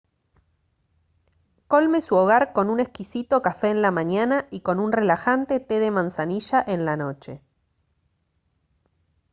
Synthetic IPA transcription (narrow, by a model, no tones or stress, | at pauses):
ko̞lme̞suoɣ̞aɾko̞nunehkisit̪o̞kafeːnlamãɲanaʔiko̞nunre̞laxant̪e̞t̪e̞ðe̞mãnsaniʃaʔe̞nlano̞t͡ʃe̞